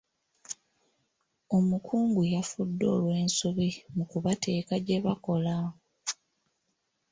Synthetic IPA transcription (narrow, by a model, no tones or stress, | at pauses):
o̞mukʰuːŋɡujafudːo̞̰ːlwe̞ːnsuβimukuβate̞ːkaɟe̞βako̞la